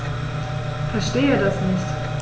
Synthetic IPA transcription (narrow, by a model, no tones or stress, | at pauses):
fɛɐʃteːiːdasnɪçt